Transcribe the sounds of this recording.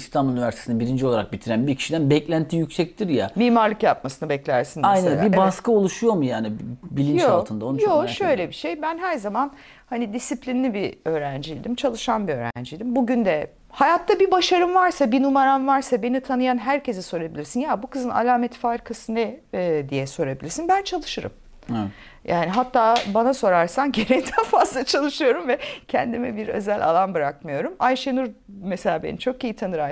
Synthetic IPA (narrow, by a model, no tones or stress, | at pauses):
ist̪ʰamynivæɾse̥sinabiɾind͡ʒio̞lˠaɾak̚bit̪ʰiɾænbicʰi̥ʃid̪ænbɛclʲænt̪ʰijycsɛc̚t̪ʰiɾja̰miːmaɾlˠɯkjap̚masɯnɯbɛclʲæɾsinajnanbibaskao̞lˠuʃujo̞mujaːnibilʲint͡ʃoalˠt̪ʰɯnd̪aoujoʃø̞jlʲɛbiʃejbænɦæɾzaman | hanid̪isiplʲinʲibiø̞ːɾænd͡ʒijd̪imt͡ʃʰalˠɯʃanbiø̞ːɾæ̰nd͡ʒijd̪imbuɟynd̪ɛ | hajat̪ʰːabibaʃaɾɯmvaɾsabinumaɾanvaɾsabe̞nit̪ʰanɯjanɦæɾce̞zɛso̞ɾabilʲiɾsinjaːbukɯzɯna̰lʲaːmet̪ʰi̥faɾkʰasɯnɛd̪ijɛso̞ɾabilʲiɾsinbænt͡ʃʰalˠɯʃɯɾɯ̰m | jʔaːniɦat̪ːaːbanaso̞ɾaɾsanɟeɾejd̪ʰænfazlˠat͡ʃʰalˠɯʃɯjo̞ɾumvɛcʰɛnd̪imɛbiɾø̞̰zælʲa̰lˠanbɯɾakmɯjo̞ɾumajʃenuɾmese̞lʲaːbenit͡ʃʰo̞kejit̪ʰanɯɾa